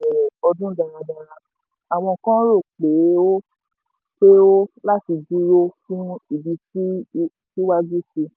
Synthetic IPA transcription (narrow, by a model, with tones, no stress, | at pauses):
ɛ˨ɔ˧dũ˦da˧ɾa˧da˨ɾa˧ | a˨w̃ɔ̃˧˨kã˦ɾo˦˨k͡pe˨˦o˦ | k͡pe˦o˦la˦ti˧d͡ʒu˦ɾo˦fũ˦i˨bi˧ti˦ | ti˦wa˦d͡ʒu˦si˧